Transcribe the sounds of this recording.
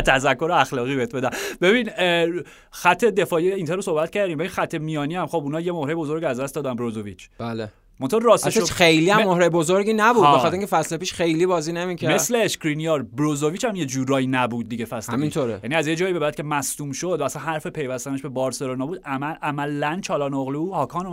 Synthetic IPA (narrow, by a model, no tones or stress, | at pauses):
t̪ʰæzækʰːo̞ɾeæxlɒːɣiːbeet̪̚ʰbe̞d̪æb̥e̞bin | xæt̪ʰːe̞d̪e̞fɒːjiint̪ʰeɾosohbæt̪cʰæɾd̪imbebinxæt̪ʰːe̞mijɒːniæmxobunɒːjemohɾejebo̞zo̞ɾɟiæzd̪æst̪d̪ɒːd̪ænbɾozovit͡ʃʰb̥æle | monɑːɾɾɒːseʃexejliːæmmːohɾejebozoɾɡiːnæbuːdbexɑt̪eɾĩŋcʰefæslepiːʃxejlibɒːzinemicʰæmessleːʃkɾinijɑɾbɾozoviːt͡ʃʰæmjed͡ʒuːɾɒːjinæbud̪̚ːiɟefæsleæminʃt̪ʰoɾejæniæzjed͡ʒɒːiːbe̞bæd̪cʰʲe̞mæst̪uːmʃod̪vææsænhæɾfepʰe̞jvæst̪æneʃbe̞bɒːɾselonɒbuːd̪æmæʔæmælænt͡ʃʰɒːlɒːnoɣluhɒːkʰɒːno